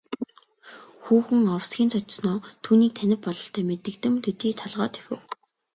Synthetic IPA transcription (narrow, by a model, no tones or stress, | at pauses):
xuːxɘ̆ŋɔwsɡʲiːnt͡sʰɔt͡ɕsnɔːt̪ʰuːniːk̚t̪ʰænʲɪ̆p̚pɔɮɞ̆ɬt̪ʰœːmet̪ɘ̆kt̪ɘ̆mt̪ʰet̪iːt̪ʰaɮʁɔːt̪ʰe̥xʲɘ̆w